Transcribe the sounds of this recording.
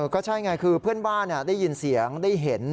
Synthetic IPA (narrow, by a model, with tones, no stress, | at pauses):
kɔː˥˩t͡ɕʰa˥˩jŋaː˧jkʰɯː˧pʰɯ˥˩ənbaː˥˩nːa˧˥˩daː˥˩jːi˧nsi˩˦əŋdaː˥˩jɦe˩˦n